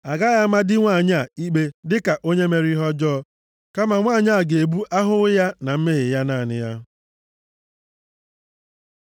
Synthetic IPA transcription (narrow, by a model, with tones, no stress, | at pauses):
a˨ɡa˦ja˦ma˦dɪ˦ŋʷa˦˨ɲa˦˨i˦k͡pe˦dɪ˦ka˨ʔo˦ɲe˦me˨ɾi˦ɦɔ˦d͡ʒɔː˦ | ka˦ma˨ŋʷaː˦˨ɲa˦˨ɡe˨e˨bu˦ʔa˦ɦʊ˦ja˦na˨m̩˦me˦ɣɪ˨ja˦na˦˨nɪ̰˦ja˦